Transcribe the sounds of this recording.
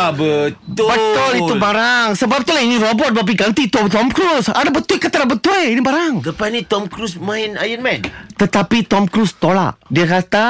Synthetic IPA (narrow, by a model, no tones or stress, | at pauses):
bət̪ʊbət̪ʊlit̪ubaɾaŋsəbap̚t̪ulainiɾobɔt̪̚bap̬iɡant̪it̪ut̪ɔmkɾusadabət̪ukət̪əɾabət̪ueinibaɾaŋt̪əpanit̪ɔmkɾusmainajənmɛnt̪ət̪apit̪ɔmkɾust̪ola̰ʔdiakat̪a